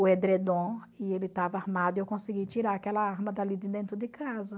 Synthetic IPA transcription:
ʊed̪ɾed̪õ | ɪelɪt̪avɐaɾmad̪ʊiewkõsɪɡit͡ʃiɾaɾakɛlɐaɾmɐd̪alid͡ʒ̪ɪd̪ẽnt̪ɾʊd̪ɪkʰazɐ

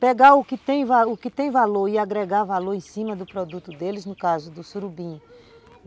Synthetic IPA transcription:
pɛɡaʊkɪt̪ẽj̃vaʊkɪt̪ẽj̃valoɾɪaɡɾɛɡavaloɾẽsĩmɐd̪ʊpɾɔd̪ut̪ʊd̪elɪznʊkazʊd̪ʊsuɾubĩ

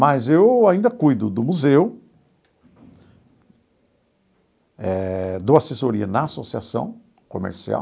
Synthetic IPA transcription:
mɐzewaĩnd̪ɐkujd̪ʊd̪ʊmuzew | ɛd̪ʊasesoɾiɐnɐasosiasɐ̰̃w̃ | kõmḛɾsia̰

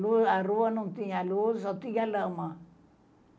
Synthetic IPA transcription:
luaɾuwanũnt̪iɲalusɔt̪iɡalama

